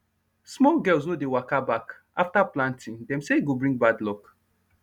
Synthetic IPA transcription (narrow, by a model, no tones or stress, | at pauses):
smɔlɡɛls̬nodewakabak | aftaplãntʰɪ̃ŋdɛ̃mseɡobɹĩŋɡ̚badlɔk